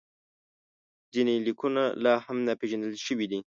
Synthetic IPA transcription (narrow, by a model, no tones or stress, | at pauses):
zinelikunalɑhamnapeʒanəlʃəwid̪i